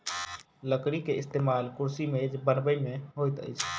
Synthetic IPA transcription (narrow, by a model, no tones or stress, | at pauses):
ləkɽikeɪst̪eːmaːlkʊɾsimẽd͡ʒbənbəimẽɦoːit̪ə̰it͡ʃʰ